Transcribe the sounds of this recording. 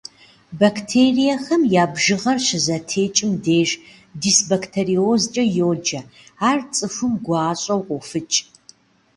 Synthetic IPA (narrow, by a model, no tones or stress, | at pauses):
baktʰeːrijɐxɐmjaːbʒɨʁɐrɕɪzɐtʰeːt͡ʃʼɪmdeːʒ | disbɐktʰeriozt͡ʃʼɐjoːd͡ʒɐaːrt͡sʼɨfɨmɡʷɑːɕʼɐwqʷʊfɨt͡ʃʼ